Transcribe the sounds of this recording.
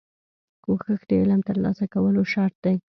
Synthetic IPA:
koxəxd̪əɪləmt̪əɾlɑ̰sakawəloʃɑɾt̪̚d̪aj

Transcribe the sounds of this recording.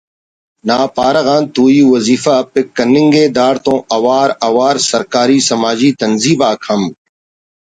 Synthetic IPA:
naːpaːɾɐɣãːnt̪uːjiːʋəziːfaːpɪkːənɪ̃ŋɡeːd̪aːɾt̪õːʔɐʋaːɾɐʋaːɾsəɾkaːɾiːsəmaːd͡ʒiːt̪ənziːbaːkʰəm

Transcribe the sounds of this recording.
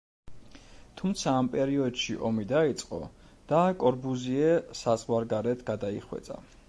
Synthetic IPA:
t̪ʰumt̪sʰaːmpʼɛɾiɔd̪ʃiʔɔmid̪ait̪sʼqʼɔ̰ | d̪̥akʼɔɾbuziɛsazʁwaɾɡaɾɛt̪ʰɡ̥ad̪aiχwɛ̰t̪sʼa̰

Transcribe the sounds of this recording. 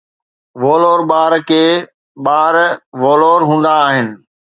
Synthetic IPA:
ʋoːloːɾɓaːɾkʰeː | ɓaːɾʋoːloːɾɦũːnd̪aːɦɪnɪ̆

